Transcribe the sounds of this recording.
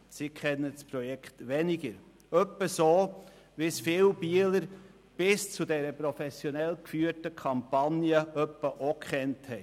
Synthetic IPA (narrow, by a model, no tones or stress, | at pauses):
sikʰɛnːəspɾɔjɛkʰtʋɛnɪɡəɾ | œpːəsoː | ʋɪsfɪwb̥iələɾ | b̥ɪst͡sudɛɾəpɾɔfɛsjɔnɛlkfyːətəkʰɑmpɑnjəʔœpːəʔokχɛnthɛɪ